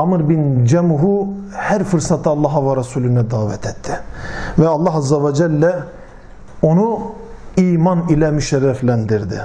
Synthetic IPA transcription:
amɯɾbind͡ʒɛmuɦu | hæɾfɯɾsat̪ʰɯɑlˠːɑɦavaɾɛsuːlʲynɛd̪aːvɛt̪ʰɛt̪ʰːɪvɛɑlˠːɑɦɑzːɛvɛd͡ʒɛlʲːɛ | o̞nu | iːmanilʲɛmyʃɛɾːæflænd̪iɾd̪ɪ̰

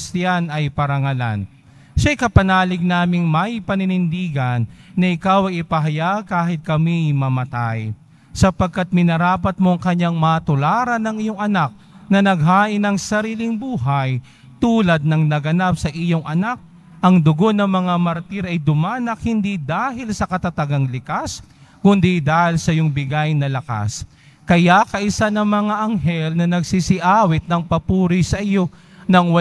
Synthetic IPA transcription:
sjanɐjpɐɾɐŋɐla̰n | ʃɐjkɐpɐnaːlɪɡ̚naːmɪŋmɐjpɐnɪnɪnd̪iːɡɐnːɐʔɪkawɐjɪpɐɦɐjaɡ̚kaːɦɪt̪̚kɐmimɐmɐt̪aj | sɐpɐɡ̚kat̪̚mɪnɐɾaːpɐt̪̚mo̞ɐŋkɐɲːaŋmɐɐt̪ʊlaːɾɐnɐŋɪjo̞ŋʔɐnak̚ | nɐnɐɡ̚ɦaːʔɪnɐŋsɐɾiːlɪŋbuːɦɐj | t̪uːlɐd̪̚nɐŋnɐɡɐnap̚sɐʔɪjo̞ŋʔɐnak̚ | ʔɐŋd̪ʊɡo̞nɐŋmɐŋamɐɾt̪iɾɐjd̪ʊmanɐk̚hɪnd̪id̪aːɦɪlsɐkɐt̪ɐt̪ɐɡaŋlɪkaskʊnd̪id̪aːhɪlsɐjoŋbɪɡajnɐlɐka̰s | kɐjakɐʔɪsanɐŋmɐŋaʔɐŋɦɛlnɐnɐɡsisɪʔaːwɪt̪̚nɐŋpɐpuːɾɪjsɐʔɪjo̞ | nɐŋwɐ

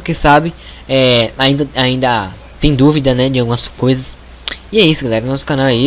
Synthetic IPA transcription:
kɪsabɪ | ɛaĩnd̪ɐaĩnd̪ɐ | t̪ẽj̃d̪uvid̪ɐnɛd͡ʒɪawɡũmɐskojzɐs | ɪɛisʊɡalɛɾɐnɔsʊ̥kãnawɐi

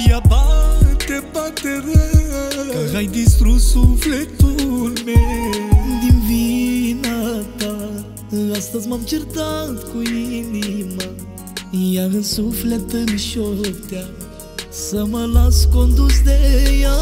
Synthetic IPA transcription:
jabat̪epat̪eɾe | ajd̪ist̪ɾusuflet̪uɾme | d̪ivinat̪a | ast̪ɐzmamt͡ʃiɾt̪ad̪kũinima | jaəsuflet̪ənʃot̪ja | səməlaskond̪usd̪eja

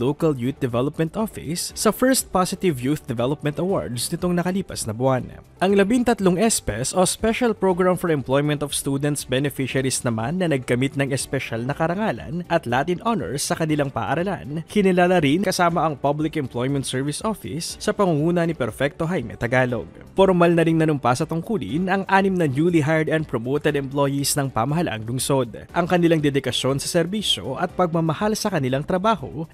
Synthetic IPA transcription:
lowkɐljut̪̚d̪ɛvɛlop̚mɛ̃nt̪ʔofɪ̰sːɐfɛɹst̪̚pasɪt̪ɪvjut̪d̪ɛvɛlop̚mɛnt̪ɐwo̰ɹd̪snɪt̪o̞ŋnɐkɐliːpɐ̰snɐbʊan | ʔɐŋlɐbiŋt̪ɐt̪loŋʔɛspɛsospɛʃɐlpɹoɡɹamfɔɾɛmplojmɛnt̪ɔfst̪ud̪ɛnt̪sbɛnɪfiʃɐɾisnɐmanːɐnɐɡ̚kɐmit̪̚nɐŋɛspɛʃalnɐkɐɾɐŋalɐ̰nʔɐt̪laːt̪ɪnʔonɛ̰ɹsɐkɐnɪlaŋpa̰ːʔɐɾɐla̰nkɪnɪlaːlɐɾinkɐsaːmɐʔɐŋpɐblɪkɛmplojmɛnt̪sɛɹvɪsʔofɪ̰sːɐpɐŋuŋuːnɐnipɛɾfɛk̚t̪o̞ɦajmɛ̰t̪ɐɡaːlo̰ɡ̚ | foɾmɐlnɐɾiŋnɐnʊmpasɐt̪ʊŋkuːlɪ̰nɐŋʔaːnɪmnɐnjuːliɦaɹd̪ɛnd̪̚pɾomowt̪ɛd̪ɛmplo̞jisnɐŋpamɐɦɐlʔa̰ŋlʊŋso̞d̪̚ʔɐŋkɐnɪlaŋd̪ɛd̪ɪkɐʃjo̞nsɐsɛɾbisjo̞̰ʔɐt̪̚pɐɡ̚mɐmɐhalsɐkɐnɪlaŋt̪ɾɐbaːho̞̰

